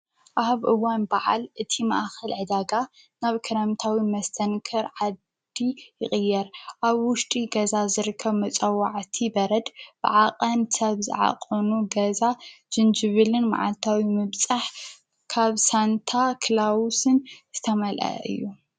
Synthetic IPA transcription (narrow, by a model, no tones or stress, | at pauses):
ʔaβʔɨwanbaʕa̰lʔɨt̪ʰima̰ʔxɐlʕɨd̪aɡa | naβkʰɨɾɐmt̪ʰawimɐst̪ʰɐnkʰɐɾʕad̪ | ijɪχʼɨjːɛɾʔaβwʊʃt̪ʼiɡɐzazɨɾɨkʰːɐβmɐt͡sʼɐwaʕt̪ʰibɐɾɐd̪b̥ɨ̰ʕaqʼɐnsɐβzɨ̰ʕa̰qʼɐnuɡɐzad͡ʒ̥ɨnd͡ʒɨβɨlɨnma̰ʕa̰lt̪ʰawimɨβt͡sʼaħ | kʰaβsant̪ʰakʰlawusɨnz̥ɨt̪ʰɐmɐlʔɐ̰ʔɨ̰jːu